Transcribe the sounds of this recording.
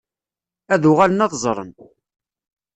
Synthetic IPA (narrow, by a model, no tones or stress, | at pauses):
æðʊʁalənɑðzˤɾˤə̰n